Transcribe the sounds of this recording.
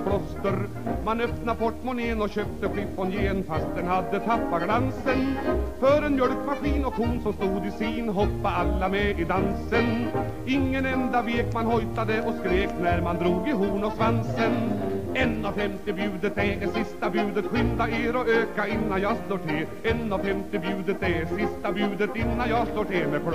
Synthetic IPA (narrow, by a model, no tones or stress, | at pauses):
kʰlɔst̪əɾ | manœpnabɔʈːmɔneːnɔɕøːp̚t̪əɧɽɪpːɔnjeːnfast̪̚d̪ɛnhad̪ːət̪ʰapːaɡlansənfœɾɛnmjœɭkmaɧiːnɔkʰuːnsɔmst̪uːd̪ɪsiːnɦɔpːaalːamɛɪd̪ansən | ɪŋːənɛnd̪aveːkmanhɔjt̪ad̪əʔɔskɾeːknæɾmand̪ɾuːɡɪɦuːɳɔsvansənɛnːavfɛmt̪ɪbjʉ̟ːd̪ət̪̚d̪ɛɛsɪst̪abʉ̟ːd̪ət̪ɧʏnd̪aeːɾɔøːkaɪnːanjɑːsloːʈʰɪl | ɛnːɔvfɛmt̪ɪbjʉ̟ːd̪ət̪̚d̪ɛsɪst̪abʉ̟ːd̪ət̪ɪnːanjɑːɡsloːʈɪmɛkʰ